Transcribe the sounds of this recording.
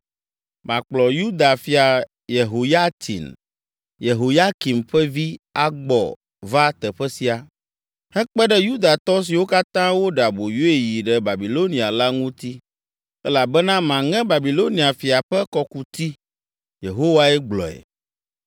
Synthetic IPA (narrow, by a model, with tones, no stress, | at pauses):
mã˨k͡plɔ˨ju˦d̪a˨fi˨a˨ | je˨ɦo˨ja˦t̪ʰḭ˨n | je˨ɦo˨ja˦ki˨mɸɛ˦vi˦a˦ɡ͡bɔ̰˨ | va˦t̪ɛ˨ɸɛ˦si˨a˨ | hɛ˦k͡pɛ˦ɖɛ˦ju˦d̪a˨t̪ɔ˦s̬i˨wo˦ka˦t̪ã˦wo˦ɖa˨bo˨jo˦e˨ji˨ɖɛ˦ba˨bi˨lo˦nĩ˨a˨la˦ŋũ˦t̪i˦ | ɛ˦la˨bɛ˦nã˦mã˨ŋɛ̃˦ba˨bi˨lo˦ni˨a˨fi˨a˨ɸɛ˦kɔ˦ku˨t̪i˦ | je˨ɦo˦wa˨ɛ˦ɡ͡blɔ̰˨ɛ̰˨